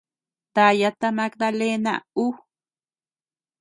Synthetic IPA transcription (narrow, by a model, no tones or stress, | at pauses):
t̪ajat̪amak̚d̪alena̰u